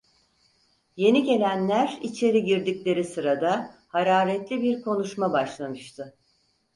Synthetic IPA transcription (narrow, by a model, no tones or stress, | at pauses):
je̞niɟe̞lʲænlʲæɾit͡ʃʰe̞ɾiɟiɾd̪iclʲe̞ɾisɯɾad̪ahaɾaːɾɛt̪lʲibiɾkʰo̞nuʃmabaʃlˠamɯʃt̪ʰɯ